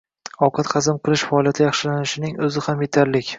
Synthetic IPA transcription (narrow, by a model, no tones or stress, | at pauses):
ɒwqʰɑt̪qɑzɪmqʰɨlˠɪʃfaɒːlˠijat̪ʰɪjɑχʃɪlanɪʃɪnɪŋɵzɪhamje̞t̪ʰaɾlɪkʲ